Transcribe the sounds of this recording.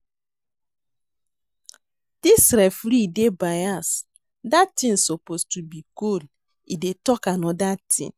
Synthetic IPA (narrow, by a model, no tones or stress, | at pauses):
d̥isɾɛfɾidebajas | datĩnsopostubikul | idetɔkanɔdatʰḭ̃n